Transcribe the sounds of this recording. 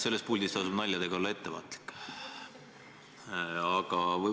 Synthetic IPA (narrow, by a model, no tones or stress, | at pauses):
se̞lːespuld̪ist̪ɑsub̥nɑlʲjɑd̪̥e̞ɡɑo̞lːɑe̞t̪ːe̞vɑ̰ːt̪li̥kː | ɑɡ̥ɑvɤ